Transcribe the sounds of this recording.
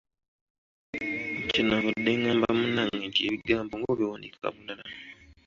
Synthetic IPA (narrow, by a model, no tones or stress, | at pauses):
t͡ʃinaβudːeŋaːmbamunaŋed͡ʒieβiɡaːmboŋɡoβiwaːndikaka̰βundaɾa